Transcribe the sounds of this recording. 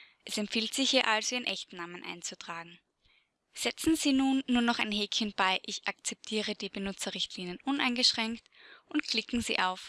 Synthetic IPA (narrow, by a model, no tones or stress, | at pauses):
ʔʔɛsɛmpfiːltz̥ɪçhiːɐʔalsv̥iːɪnʔɛçtnaːmənʔa̰ɪnt͡sutʁ̥aːɡŋ̩ | z̥ɛt͡sn̩ziːnuːnːuːɐnɔχa̰ɪnɦeːkçənb̥aɪʔɪçʔak̚t͡sɛp̚tʰiːʁəd̥iːbənʊt͡sɐʁɪçtʰliːnjənʔʊnaɪnɡəʃʁ̥ɛŋktʔʊntkʰl̥ɪkŋ̩zḭːʔaʊf